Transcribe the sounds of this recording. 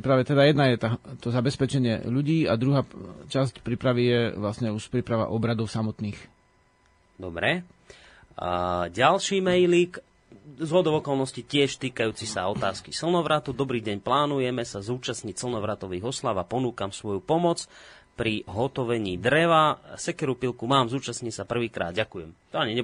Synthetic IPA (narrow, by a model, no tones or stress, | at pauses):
ipɾaʋɛt̪ɛd̪ajɛd̪najɛt̪at̪ɔzabɛspɛt͡ʃɛɲɪɛ̰ʎuɟiːad̪ɾuɦaːt͡ʃascpɾipɾaʋijɛʋlasɲɛuʃpɾiːpɾaʋa̰ʔɔbɾad̪ɔʊsamɔt̪niːx | d̪ɔbɾɛ | ɟalʃiːmɛjlik | zɦɔd̪ɔʊɔkɔlnɔscicɪɛʃt̪iːkajuːt͡sisaɔt̪aːskisl̩ˠnɔʋɾat̪ud̪ɔbɾiːɟɛɲplaːnujɛmɛsazuːt͡ʃasɲicsl̩nɔʋɾat̪ɔʋiːɦɔslaʊapɔnuːkamsʋɔjupɔmɔt͡s | pɾiɦɔt̪ɔʋɛɲiːd̪ɾɛʋasɛkɛɾupilkumaːmzuːt͡ʃasɲisapr̩ʋiːkɾa̰ːd̪̚ɟakujɛmt̪ɔaɲiɲɛb